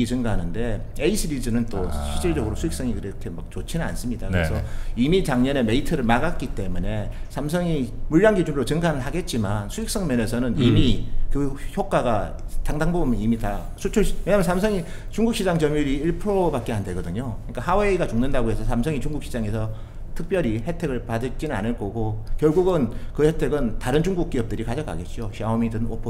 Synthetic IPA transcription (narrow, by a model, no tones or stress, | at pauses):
it͡ɕɯŋɡaɦanɯnde̞eisʰɯɾid͡ʑɯnɯnt͈oɕʰid͡ʑiɭd͡ʑʌɡɯɾosʰujik̚s͈ʌŋikɯɾʌkʰe̞mak̚t͡ɕot͡ɕʰinɯna̰ns͈ɯmɲidakɯɾesʰʌimit͡ɕaŋɲʌne̞me̞itʰɯɾɯɭmaɡak͈̚it͈e̞mune̞sʰamsʰʌŋimuɭːaŋɡid͡ʑuŋɾot͡ɕɯŋɡanɯɭɦaɡe̞t̚t͡ɕ͈imansʰuik̚s͈ʌŋmjʌne̞sʰʌnɯnimikɯçjok͈aɡa | taŋdaŋbobɯmnimita | sʰut͡ɕʰuɭjeɲamʌnsʰamsʰʌŋi | t͡ɕuŋɡuk̚ɕ͈ʰid͡ʑaŋt͡ɕʌmjuɾiiɭpʰɯɾobak͈̚e̞andweɡʌdɯɲokɯɲik͈ahaweiɡat͡ɕuŋnendaɡoɦe̞sʰʌs̬ʰamsʰʌŋit͡ɕuŋɡuk̚ɕ͈ʰid͡ʑaŋe̞sʰʌ | tʰɯk̚p͈jʌɾihe̞tʰe̞ɡɯɭpadɯt͡ɕ͈inɯna̰nɯɭk͈ʌɡokjʌɭɡuɡɯnkɯhe̞tʰe̞ɡɯntaɾɯnd͡ʑuŋɡuk͈iʌp̚t͈ɯɾikad͡ʑʌk͈a̰ɡe̞t̚t͡ɕ͈oɕʰiaomidɯnopʰo